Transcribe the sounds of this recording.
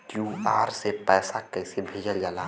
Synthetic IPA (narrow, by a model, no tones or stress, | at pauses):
kjuːaːɾsepɛːsakəsebʱed͡ʒəld͡ʒaːla